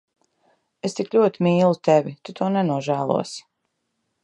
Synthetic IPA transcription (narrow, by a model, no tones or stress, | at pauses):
est̪iklʲuɔt̪imiːlˠut̪evʲit̪ut̪uɔnɛnuɔʒæːlˠṵɔs